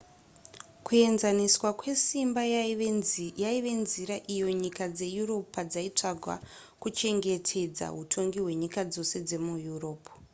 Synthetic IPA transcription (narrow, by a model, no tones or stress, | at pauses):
kue̞nzaniswakwe̞simba | aiʋe̞nziɾaʔijo̞ɲikad͡ze̞juro̞pad͡zait͡ʂaɡʱwa̰ | kut͡ʃe̞ŋɡe̞tʰe̞d͡za̰ɦutʰo̞ŋɡiwe̞ɲikad͡zo̞se̞d͡ze̞mujuro̞ːpu̥